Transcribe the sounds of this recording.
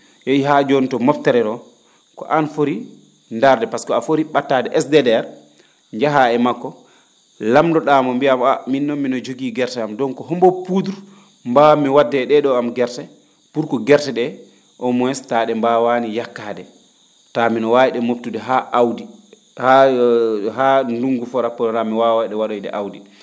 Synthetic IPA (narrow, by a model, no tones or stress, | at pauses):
jajɦad͡ʒontɔmɔptɛɾɛɾɔ | kɔ̰ʔanfoɾi | ndaɾdɛpaskɔafoɾiɓatːadɛʔɛsdɛdɛɾ | ɲd͡ʒaɦaɛmakːɔ | lamdɔɗamɔmbiamaminːɔmːinɔd͡ʒoɡiːɡɛɾtɛamdɔnkɔɦɔmbɔpuduɾ | mbamiwadːɛɗɛɗɔamɡɛɾtɛ | puɾkɔɡɛɾtɛɗɛ | ʔɔmɔɛstaɗɛmbawanijakːadɛ | taminɔwawiɗɛmop̚tudɛɦaʔawdi | ha | handuŋɡufɔɾapːɔɾamiwawajɗɛwaɾojɗɛ̰ʔawdi